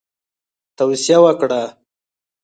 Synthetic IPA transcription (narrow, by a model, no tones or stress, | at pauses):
t̪awsijawəkɽa